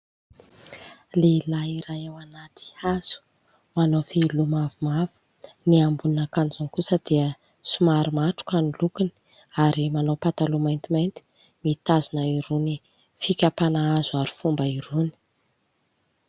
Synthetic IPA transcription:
leilaiɾajewanat̪i̥az̥u̥ | manofilumavumavu̥ | niambunnakand͡zunkusəd̪̥iə | sumaɾimaʈ͡ʂu̥kanilukuni̥ | aɾimanowpat̪alumajnt̪imajnt̪i̥ | mit̪azunaiɾuni | fikʲapanaazuaɾi̥fumbəiɾuni̥

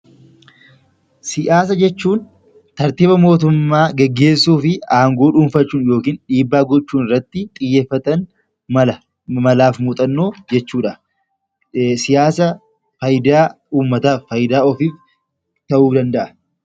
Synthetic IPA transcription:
sɪʔaːs̬ɐd͡ʒɛt͡ʃːuːn | t̪ɐɾt̪iːbɐmo̞ːt̪̬ʊmːaːɡɛɡːe̞ːsːuːfɪaːŋɡoːᶑuːnfɐt͡ʃːuːnjo̞ːkiːnᶑiːbːaːɡɔt͡ʃːuːnɪrːɐt̪ːɪt̪ʼɪjːeːfːɐt̪ɐn | mɐlɐ | mɐlaːfmuːt̪ʼɐnːo̞ːd͡ʒɛt͡ʃːuːᶑɐ | sɪjaːsɐ | fɐjd̪aː | uːmːɐt̪aːfːɐjd̪aːɔfiːf | t̪ɐʔuːd̪ɐnd̪ɐʔɐ

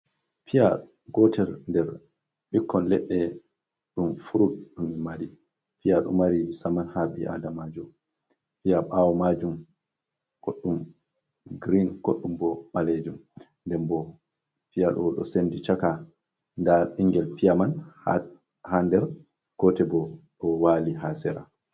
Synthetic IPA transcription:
pʰija | ɡɔtʰɛɾndɛɾ | ɓikːɔnlɛɗːɛ | ɗumfuɾutɗumimaɾi | pijaɗṵmːaɾiisamanhabiʔa̰damad͡ʒum | pijaɓawɔmad͡ʒum | ɡ̥oɗːum | ɡɾinɡ̥oɗːumbɔmaled͡ʒum | ndɛmbɔ | pijaɗɔɗɔ̰sendit͡ʃaka | ndaʔiŋɡɛlpijaman | handɛɾ | kɔtɛbɔɗɔwaliɦasɛɾa̰

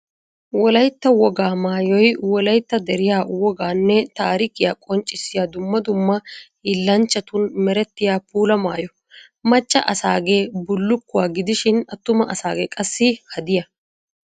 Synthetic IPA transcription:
wɔlɐjt̪ːɐwɔɡaːmaːjɔjwɔlɐjt̪ːɐd̪ɛɾɪjaːwɔɡaːnːɛt̪aːɾɪkɪjaːkʼɔnt͡ʃʼːɪsːɪjaːd̪ʊmːɐd̪ʊmːɐ | ɪlːɐnt͡ʃːɐt̪ʊnmɛɾɛt̪ːɪjaːpuːlɐmaːjɔ | mɐt͡ʃːɐʔɐsaːɡe̞ːbʊlːʊkːʊwaːɡɪd̪ɪʃɪnɐt̪ːʊmɐɐsaːɡeːkʼɐsːɪhɐd̪ɪjɐ

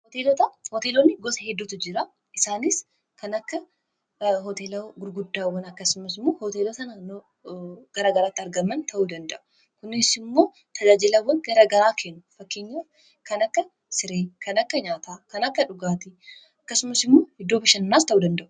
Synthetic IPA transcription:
hɔt̪eːlot̪ɐhot̪eːlonːɪɡɔsɐhɛd̪ːuːt̪ʊd͡ʒɪɾa | ʔɪsaːnɪs | kɐnɐkːɐ | ɦɔt̪eːlɐɡʊɾɡʊd̪ːaːwːɐnɐkːɐsʊmɐsɪmːoːhot̪eːlot̪ɐnaːnːoː | ɡ̥ɐɾaːɡɐɾaːt̪ːɪɐɾɡɐmɐnt̪ʰɐʔuːd̪ɐnd̪ɐ̰ʔʊ̥ | kʊnɪsɪmːo̞ː | t̪ʰɐd͡ʒaːd͡ʒɪlawːɐnɡɐɾɐɡɐɾaːkʰeːnːʊfɐkːeːɲːaːf | kɐnɐkːɐ | sɪɾeːkʰɐnɐkːɐɲaːt̪aːkɐnɐkːɐᶑʊɡaːt̪i | ɐkːɐsʊmɐsɪmːoːhɛd̪ːoːbɐʃɐnːaːst̪ɐʔuːd̪ɐnd̪ɐʔʊ̥

